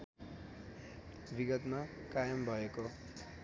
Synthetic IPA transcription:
biɡʌt̪makajʌmbʱʌeko

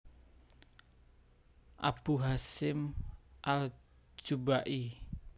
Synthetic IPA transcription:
ʔa̰b̥uɦasɪmʔal | d͡ʒubaʔi

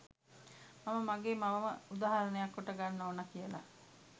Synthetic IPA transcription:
maməmaɡeːmaʋɐməud̪aːɦɐɾɐnejakːoʈəɡanːɐoːnɐkijəla̰

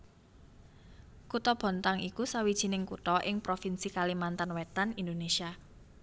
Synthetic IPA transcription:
kut̪ɔb̥ɔ̤nt̪aŋikusawid̥ʒ̥i̤nɪŋkut̪ɔʔɪŋpɾofinsikalimant̪anwɛt̪anind̪onesia

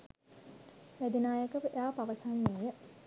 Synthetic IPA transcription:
ʋæd̪inaːjəkəʋəʔejaːpaʋəsanːeːjə

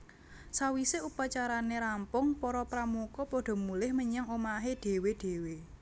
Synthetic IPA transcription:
sawiseupat͡ʃaɾaneɾampʊŋpɔɾɔpɾamukɔpɔɖ̥ɔ̤mulɪhməɲaŋomaɦeɖ̥e̤weɖ̥e̤we

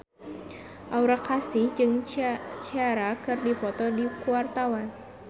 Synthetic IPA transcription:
ʔauɾakasɪhd͡ʒɨŋt͡ʃiaɾakɨrdifɔt̪ɔdikuart̪awan

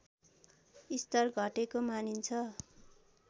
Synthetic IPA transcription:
ist̪ʌrɡʱʌʈekomanint͡sʰʌ

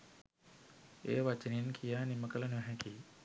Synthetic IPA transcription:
eːʋɐt͡ʃəninkʰijaːniməkələnuɦɛ̃kiː

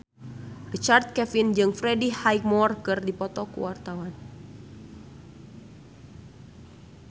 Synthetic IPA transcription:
rit͡ʃart̪̚kɛfind͡ʒɨŋfɾɛdihajk̚mɔrkɨrdipɔt̪ɔkṵwart̪awan

